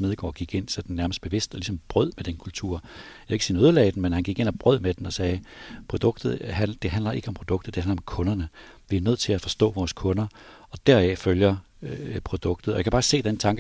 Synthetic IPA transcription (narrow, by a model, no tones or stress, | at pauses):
me̝ð̞ˠɡ̥ɒ̰ːɡ̥iɡ̥e̝n̰sɒd̥en̩ːæɐməsd̥̚b̥e̝ʋe̝sd̥ɒ̽lisɒ̽mb̥ʁœð̞̰ˠmed̥enkʰult͡sʰṵɐ̰jɑeɡ̥sinøðˠlɛ̰ɪd̥n̩menhænɡ̥iɡ̥e̝næb̥ʁœð̞̰ˠmed̥enɒ̽sɛːpʰʁo̝d̥ɔ̽ɡ̥̚d̥ð̩ˠɦæd̥e̝ɦænlɐʔe̝ɡ̥əɒ̽mpʰʁo̝d̥ɔ̽ɡ̥d̥ð̩d̥e̝hænlɐɒ̽mkʰɔ̽nɐnə | ʋiɐnøð̰ˠt͡sʰe̝læfɒ̽sd̥ɔ̰̽ːʋɒːskʰɔ̽nɐɒ̽d̥æɐ̰æføljɐ | pʰʁo̝d̥ɔ̽ɡ̥d̥ð̩ˠɒ̽jäkʰæbɑ̈ːse̝̰ːd̥ent͡sʰɑ̈ŋɡ̥